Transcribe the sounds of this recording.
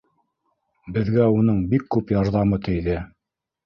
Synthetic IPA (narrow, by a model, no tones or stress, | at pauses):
bɘ̆ðɡæunɤɴbikːʉpjɑɾðɑmɤt̪ʰɘ̆jðɘ